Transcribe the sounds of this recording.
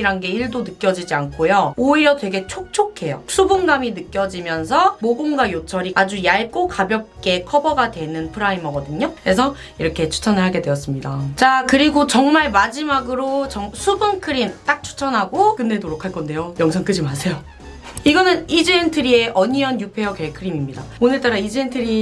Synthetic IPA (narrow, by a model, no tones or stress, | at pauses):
iɾanɡe̞iɭdonɯk͈jʌd͡ʑid͡ʑiankʰojooiɾjʌtwe̞ɡe̞t͡ɕʰok̚t͡ɕʰokʰːe̞josʰubunɡaminɯk͈jʌd͡ʑimjʌnsʰʌmoɡoŋɡwajot͡ɕʰʌɾiad͡ʑujaɭk͈okabjʌp̚k͈e̞kʰʌbʌɡadwe̞nɯnpʰɯɾaimʌɡʌdɯɲoɾe̞s̬ʰʌ | iɾʌkʰe̞t͡ɕʰu̥t͡ɕʰʌnɯɭɦaɡe̞dwe̞jʌs͈ɯmɲidat͡ɕakɯɾiɡot͡ɕʌŋmaɭmad͡ʑimaɡɯɾot͡ɕʌŋsʰubɯnkʰɯɾimt͈ak̚t͡ɕʰu̥t͡ɕʰʌnɦaɡokɯnde̞toɾokʰaɭk͈ʌnde̞jojʌŋsʰʌŋk͈ɯd͡ʑimasʰe̞jo | iɡʌnɯnid͡ʑientʰɯɾie̞ʔʌɲiʌnjupʰe̞okeɭkʰɯɾimimɲida̰onɯɭt͈aɾaid͡ʑeentʰɯɾi